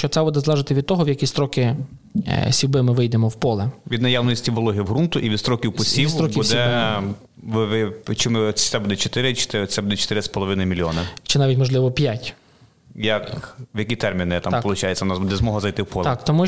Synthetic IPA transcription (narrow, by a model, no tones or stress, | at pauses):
t͡ʃɔt̪sɛbɔd̪ɛzlˠɛʒɪt̪ɪʋʲid̪̚t̪ɔɦɔʋjɐkʲist̪ɾɔkɪ | sʲiwbɪmɪʋɪjd̪emɔwpɔlˠɛʋʲid̪nɐjawnɔsʲtʲiʋɔlˠɔɦiɦɾunt̪ʊʔiʋʲid̪st̪ɾɔkʲiwpɔsʲisɾɔbʲkiusd̪ɛ | ʋʋɪt͡ʃɪmɪt̪ɛbud̪ɛt͡ʃɔt̪ɪɾɪt͡ʃɪ̥t̪ɪsɛbud̪ɛt͡ʃɔ̥t̪ɪɾɪspɔlˠɔʋɪnɪmʲilʲjɔnɐt͡ʃɪnɑʋʲitʲmɔʒlˠɪʋɔpʲjatʲ | jɐkʋjɐkʲit̪ɛrmʲinɪt̪ampɔlˠʊt͡ʃajet͡sʲːɐnɑzbud̪ɛzmɔɦɐzɐjt̪ɪwpɔlˠt̪kt̪ɔmu